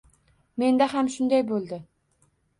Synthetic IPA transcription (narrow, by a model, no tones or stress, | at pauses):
me̞nd̪ahamʃʊnd̪ajbolˠd̪ɪ